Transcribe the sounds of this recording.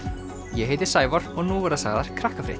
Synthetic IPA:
jɛɦeːjt̪ɪ̥saːjvɔɾ̥ɔɣnuːvɛɾðsaːɣðaɾ̥kʰɾahkafɾɪ̰

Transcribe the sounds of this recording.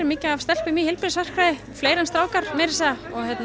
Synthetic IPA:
ɾɪmɪːcɪavst̪ɛl̥pɪmiːhɪlpɪɾɪsvar̥kʰvɾaðɪ | fleːjɾɛnst̪ɾaːwkaɾ̥meːɾɪ̥sɛðaɔɣhjɛt̪n

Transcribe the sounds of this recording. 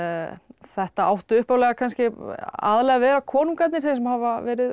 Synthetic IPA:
θɛht̪aawht̪ʏʏhpawlɛɣakʰanscɪa̰ðlɛɣavɛːɾakʰɔːnuŋkat̪nɪ̥ɾ̥θejs̬ɛmhavavɛːɾɪð

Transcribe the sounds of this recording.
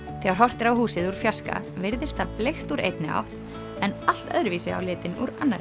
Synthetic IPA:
θɛɣaɾ̥ɦɔr̥t̪ɪɾawhuːsɪðuɾ̥fjaska̰ | vɪɾðɪst̪aplejxt̪uɾḛjt̪nɪa̰wht̪ | ɛnal̥t̪œðɾviːsɪa̰wlɪːt̪ɪnuɾanːaɾɪ

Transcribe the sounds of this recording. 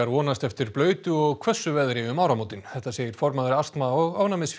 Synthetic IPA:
aɾvɔːnast̪ɛft̪ɪɾ̥plœːɥt̪ʏɔɣkʰvɛsːʏvɛðɾɪʏmaːwɾamowt̪ɪnθɛht̪ːaseːjɪɾ̥fɔɾmaðɾɪast̪maɔɣaːvnamɪsf

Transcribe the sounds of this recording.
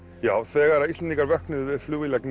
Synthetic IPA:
jaːwθɛːɣaɛɾaist̪ɛniŋkaɾvœhknɪðvɪðfluvɪlɛkn

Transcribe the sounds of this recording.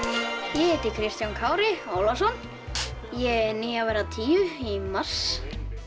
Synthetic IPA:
jɛɛt̪ɪkʰɾɪst̪jankʰaːwɾɪoːwlasɔn | jɛniːavɛːɾat̪ʰiːʏɾimar̥s

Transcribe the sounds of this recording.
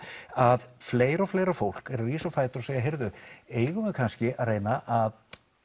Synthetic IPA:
aðfleːjɾɔfleːjɾafowl̥kɛɾɾiːsɔfaːjt̪ʏɾɔsejaɦejɾðʏeːjɣʏmɛðkʰanscɪʔareːjnaʔað

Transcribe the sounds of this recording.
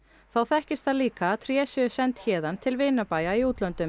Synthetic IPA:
θawθɛhcɪst̪θaðliːkaːt̪ʰɾjɛːsʏsɛnt̪çɛːðant̪ʰɪlveːjnapaːjaiuːt̪lœnt̪ʏm

